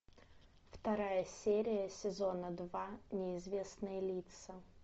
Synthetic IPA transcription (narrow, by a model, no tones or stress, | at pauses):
ft̪ɐɾajəsʲeɾʲɪjəsʲɪzo̞nəd̪vanʲɪɪzvʲe̞snɨjəlʲit̪sə